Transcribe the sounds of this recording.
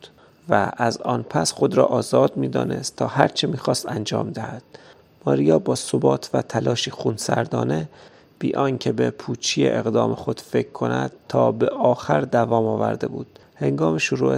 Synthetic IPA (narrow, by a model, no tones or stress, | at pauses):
vææzɒːnpʰæsxo̞d̪ɾɒ̰ːʔɒːzɒːd̪̚miːd̪ɒ̰ːne̞̰st̪ʰːɒːhæɾt͡ʃʰemiːxɒːst̪ænd͡ʒɒ̰ːmd̪æhæd̪̥ | mɒːɾijɒːbɒːsobɒːt̪ʰvæt̪ʰælɒːʃiːxunsæ̰ɾd̪ɒːne̞ | b̥ḭːʔɒːŋcʰebepʰuːt͡ʃʰijeʔeɣd̪ɒːme̞xo̞d̪̥fe̞kʰːo̞næ̰d̪̥̚t̪ʰːɒːbeʔɒːxæɾd̪ævɒːmɒːvæ̰ɾd̪e̞̰buːd̪̥he̞ŋɡɒːmeʃoɾuːe